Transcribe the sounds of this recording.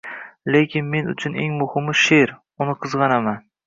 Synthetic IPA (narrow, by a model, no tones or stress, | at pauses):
le̞kʲɪnme̞nʊ̰t͡ʃʰʊne̞ŋmʊhɪmʊʃe̞ɾ | ʊnɪqʰɨzʁɑnaman